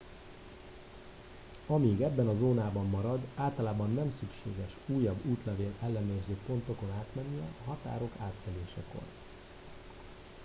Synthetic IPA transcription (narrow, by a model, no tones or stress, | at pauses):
ɒmiːɡɛbːɛnɒzoːnaːbɒmːɒɾɒd̪aːlt̪ɒlaːbɒnːɛmsykʃḛːɡɛʃuːjːɒbːuːt̪lɛveːlɛlːɛnøːrzøːpo̞nt̪o̞ko̞naːt̪mɛnːiɒ̰ɦɒt̪a̰ːɾo̞kaːt̪fɛleːʃɛ̰ko̰r